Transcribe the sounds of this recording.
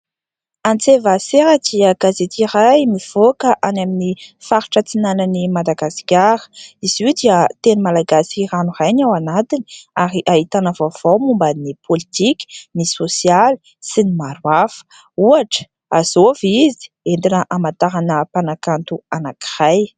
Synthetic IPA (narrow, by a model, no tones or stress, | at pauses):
ant͡sevaseɾadiaɡ̥azet̪irajmiv̥okəʔanaminifaɾuʈ͡ʂət͡sinanənimad̪aɡasi̥kʲaɾə̥izwed̪iət̪enimalaɡasiranurajnawanat̪ini̥aɾiʔaɦit̪anavav̥owmumbannipʰolit̪ikʲi̥nisosjali | sinimaɾwafə̥ | uaʈ͡ʂə̥ | a̰z̥ovizi̥ | end̪inəʔamant̪aɾanəpanakant̪uanaki̥raj